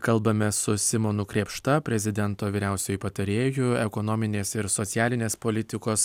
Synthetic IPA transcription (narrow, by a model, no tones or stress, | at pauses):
kɐlˠbɐmʲɛsʊsʲɪmonukɾʲeːpʃt̪ɐpʲɾʲɛzʲɪd̪ʲɛnt̪oːʋʲiːɾʲæˑʊsʲɛjʊpɐt̪ɐɾʲeːjʊɛkonoːmʲɪnʲeːsɪɾsot̪sʲɪjæːlʲɪnʲeːspoːlʲɪt̪ʲɪkoːs